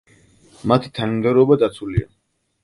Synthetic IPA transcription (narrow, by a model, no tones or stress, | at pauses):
mat̪ʰi̥t̪ʰanamd̪ɛɾɔbad̪at̪sʰulia̰